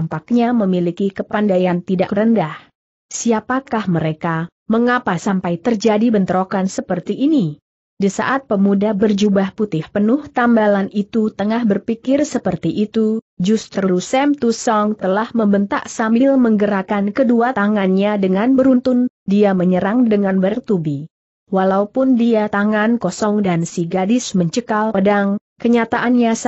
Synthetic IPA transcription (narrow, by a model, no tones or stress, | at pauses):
mpak̚ɲaməmilikikəpandajant̪ida̰ʔkɾəndah | siapakahməɾeka | məŋapasampajt̪ərd͡ʒadibənt̪əɾokansəpərt̪iʔːni | disa̰ʔat̪̚pəmudabərd͡ʒubahput̪ɪhpənʊht̪ambalanit̪ut̪əŋahbərpikɪrsəpərt̪iʔit̪u | d͡ʒust̪ɾəɾusɛmt̪usɔŋt̪əlahməmbənt̪a̰ʔsambɪlməŋɡəɾakankəduat̪aŋanɲadəŋanbəɾunt̪ʊn | diaməɲəɾaŋdəŋanbəɾəŋ̚t̪ubi | walaupʊndiat̪aŋankɔsɔŋdansiɡadɪsməɲt͡ʃəkalədaŋ | kəɲat̪aʔanɲas